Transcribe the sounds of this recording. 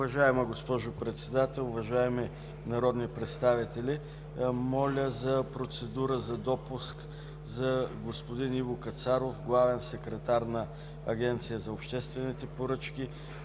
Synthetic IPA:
ʊvɐʒaɛmɐɡospɔʒʊpɾɛt̪sɛd̪at̪ɛlˠʊvɐʒaɛmɛ | nɐɾɔd̪nipɾɛt̪st̪avit̪ɛlʲi | mɔlʲəzɐpɾot̪sɛd̪uɾəzɐd̪ɔpusk | zɐɡospod̪inivokɐt̪saɾofɡlˠavɛnsɛkɾɛt̪aɾnɐ | ɐɡʲɛnt̪sijəzɐopʃt̪ɛst̪vɛnit̪ɛpoɾɤt͡ʃk̟i

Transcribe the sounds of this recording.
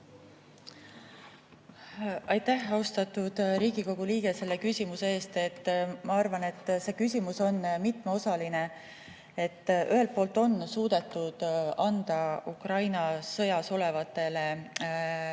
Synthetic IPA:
ɑjt̪ːæhɑust̪ɑt̪ːud̪̥ɾiːɡ̥iko̞ɡ̥uliːɡe̞se̞lːe̞kysʲimusee̞ːst̪e̞t̪ːmɑɑrvɑne̞t̪ːˑse̞ːkysʲimuso̞nmit̪me̞o̞sɑline̞ | e̞t̪ːʔyɦe̞lt̪̚po̞ːlt̪ːˑo̞nːsuːd̪̥e̞t̪ːˑud̪̥ɑnd̪̥ɑukrɑjnɑsɤ̞jɑso̞le̞vɑt̪ːˑe̞le̞

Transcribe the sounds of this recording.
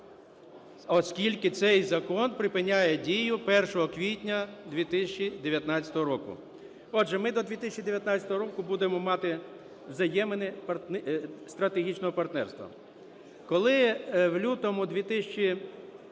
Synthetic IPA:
ɔskʲilʲkɪt̪sɛjzɐkɔnpɾɪpɪnʲajɛdʲijʊpɛrʃɔɦɔkʋʲitʲnʲɐd̪ʲʋʲit̪ɪsʲɐt͡ʃːid̪eʋʲjɐt̪nɑt͡sʲsʲɐ̥t̪ɔɦɔɾɔkʊ̰ | ɔdʒɛmɪd̪ɔd̪ʲʋʲit̪ɪsʲɐt͡ʃʲːid̪eʋʲjɐt̪nɑt͡sʲjɐt̪ɔɦɔɾɔkʊbud̪emɔmɑt̪ɪ | wzɐjɛmenɛpɐrtst̪ɾɐt̪eɦʲit͡ʃnɔɦɔpɐrt̪nɛrst̪ʋɐ̰ | kɔlˠɪwlʲut̪ɔmʊd̪ʲʋʲit̪ɪsʲɐt͡ʃi

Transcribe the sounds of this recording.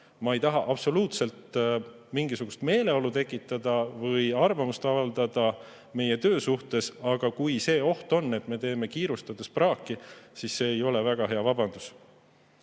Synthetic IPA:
mɑejt̪ɑɦɑʔɑb̥so̞luːt̪se̞lt̪ | miŋɡ̥isuɡ̥ust̪me̞ːle̞o̞lut̪e̞kːˑit̪ːˑɑd̪̥ɑvɤjɑrvɑmust̪ɑvɑld̪̥ɑd̪̥ɑ | me̞je̞t̪ø̞ːsuht̪e̞sɑɡ̥ɑkujse̞ːo̞ht̪o̞nːe̞t̪me̞t̪e̞ːme̞kiːɾust̪ɑd̪̥esprɑːkːˑisisːe̞ːjo̞lɛvæɡ̥ɑɦe̞ɑvɑbɑnd̪̥us

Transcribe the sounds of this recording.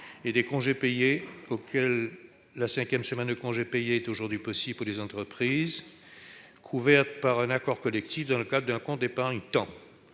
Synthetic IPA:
ed̪ekɔ̃ʒepejeokʲʰɛlː | asɛ̃kʲjɛmsəmɛnd̪əkɔ̃ʒepejeɛt̪oʒuʁd̪ɥipɔsibpulezɑ̃t̪χəpχiːz | kʰuvɛʁt̪paʁɛ̃nakɔʁkɔlɛkt̪ifd̪ɑ̃ləkad̪ʁəd̪ɛ̃kɔ̃t̪̚d̪epãỹt̪ɑ̃

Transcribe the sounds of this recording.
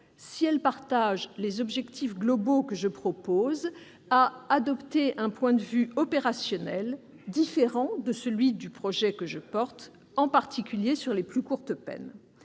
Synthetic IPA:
siɛlpaʁt̪aʒlezɔbʒɛkt̪ʰifɡlɔbokəʒəpχɔpoz | aːd̪ɔpt̪eʔɛ̃pwɛ̃d̪əvyɔpeʁasjɔnɛl | d̪ifeʁɑ̃d̪əsəlɥid̪ypχɔʒɛkəʒəpɔʁt̪ | ɑ̃paʁt̪ikʲyljesyʁleplykuʁt̪əpɛ̰n

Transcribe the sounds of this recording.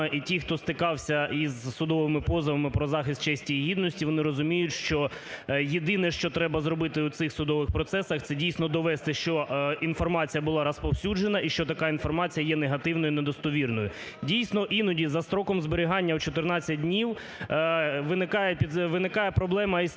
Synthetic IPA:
ɐʔitʲixt̪ɔst̪ɪkɑwsʲɐizsʊd̪ɔʋɪmɪpɔzɐʋɐmɪpɾɔzɑxɪst̪̚t͡ʃɛsʲtʲiːɦʲid̪nɔsʲtʲiʋɔnɪɾɔzʊmʲijʊtʲʃt͡ʃɔjed̪ɪnɛʃt͡ʃɔt̪ɾɛbɐzɾɔbɪt̪ɪwt̪sɪxsʊd̪ɔʋɪxpɾɔt̪sɛsɐxt̪sɛdʲijsʲnɔd̪ɔʋɛst̪ɪʃt͡ʃɔinfɔrmɑt͡sʲijɐbʊlˠɑɾɐspɔwsʲud͡ʒenɐʔiʃt͡ʃɔt̪ɐkɑinfɔrmɑt͡sʲijɐjɛneɦɐt̪ɪwnɔjʊnɛd̪ɔst̪ɔʋʲirnɔjʊ | dʲijsʲnɔʔinɔdʲizɐst̪ɾɔkɔmzbeɾʲɪɦɑnʲːɐwt͡ʃɔt̪ɪrnɑt͡sʲːɐt̚ʲdʲnʲiw | ʋɪnɪkɑjɛpʲid̪ʋɪnɪkɑjɛpɾɔblˠɛmɐis

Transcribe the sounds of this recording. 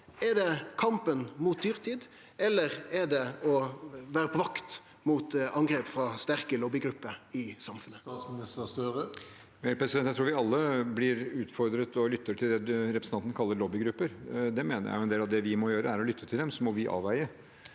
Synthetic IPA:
ɛd̪ɛkʰɑmpənmuːt̪̚d̪yːʁt̪ʰiːd̪ | ɛlːəɾɛd̪ɛɔʋæːʁəpʰɔʋɑkt̪ | muːt̪ɑŋɡɾeːpfɾɑːst̪æɾkəlɔbɪɡɾʉpːəɪsɑmfʉnət̪ːsmɪnɪst̪əst̪øʁə | mɛpʰɾɛsɪd̪ɛnjæt̪ɾuːʋɪɑlːəblɪɾʉːt̪fɔɾd̪ɾət̪ɔlʏt̪ːəʈʰɪld̪ɛd̪ʉɾɛpʰɾə̥sɑnt̪ən̩kʰɑlːəɾɭɔbɪɡɾʉpːəɾd̪ɛmeːnəɾjæ̰ɪjʊɛnd̪eːlɑʋd̪ɛʋɪmɔjøːɾəæɾɔlʏt̪ʰːət̪ʰɪld̪ɛmsɔmɔʋɪʔɑ̰ːʋæɪə

